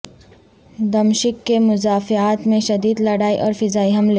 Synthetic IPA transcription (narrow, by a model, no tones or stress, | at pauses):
d̪ɐmʃɪkːemʊzaːfɪaːt̪mẽʃɐd̪iːd̪lɐɽaːiʔɔːɾfɪzaːiɦɐmleː